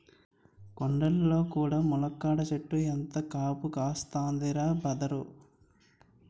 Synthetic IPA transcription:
kɔɳɖɐlːo̞ːkuːɽaːmulɐkːaːɽɐt͡ʃeʈːuent̪ɐkaːpukaːst̪aːnd̪iɾaːbɐd̪ɐɾu

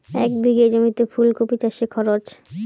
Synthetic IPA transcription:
ɛkb̪iɡed͡ʑomit̪efʰulkopit͡ɕaʃekʰɔɾot͡ɕ

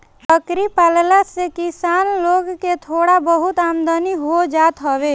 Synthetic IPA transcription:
ɾəkɾipallasekisanloɡket̪ʰoɽabəɦut̪amd̪əniɦod͡ʒat̪ɦəbe

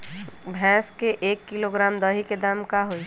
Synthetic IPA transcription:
bʱɛ̃ːskeʔeːkːiloɡɾamd̪əɦiked̪amkaɦoi

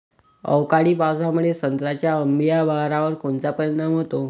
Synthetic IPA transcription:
ə̰wkaɽiːpawsamuɭesənt̪ɾat͡ɕjaəmbijabaɦɾaʋəɾkoɳt͡sapəɾjə̃nt̪əm̤ɦot̪o

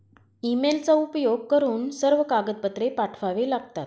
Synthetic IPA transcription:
imelt͡saupjoɡ̚kəɾuːnsəɾʋəkaɡəd̪̚pət̪ɾepaʈʰʋaʋelaɡt̪at̪

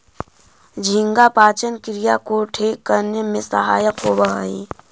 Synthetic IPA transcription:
d͡ʒʱɪ̃ŋɡapaːt͡ʃənkɾɪjakoːʈʰeːkːəɾnjəmẽsə̰ɦa̰ːjəqoːbəɦə̰ḭ

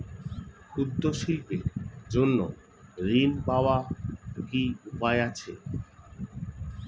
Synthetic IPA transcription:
kʰud̪ːoʃilped͡ʑonːo | ɾinpaoakiupaeat͡ɕʰe

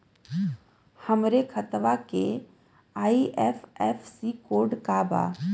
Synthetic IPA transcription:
həmɾekʰət̪ʋake | aːiʔɛfɛːfsikoːɾɖkaba̰ː

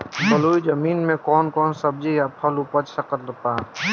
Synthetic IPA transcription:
bəluːid͡ʒəmiːnmẽkɔːnkɔːnsəb̚d͡ʒijapʰəlupət͡ʃsəkət̪ɾəpaː

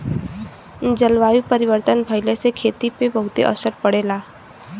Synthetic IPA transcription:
d͡ʒəlʋaːjupəɾɪʋəɾt̪ənbʱəɪlesekʰeːt̪ipebəɦʊt̪ḛʔə̰səɾpəɽeːlaː

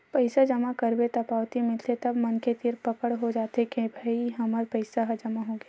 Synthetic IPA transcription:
pɐɪsad͡ʒɐmakɐɾbet̪ɐpaːʋt̪imɪlt̪ʰet̪ɐbmɐnket̪ɪɾpɐkəɽɦod͡ʒaːt̪ekẽbʱaiɦɐməɾpɐɪsaɦɐd͡ʒɐmaɦoɡjaː

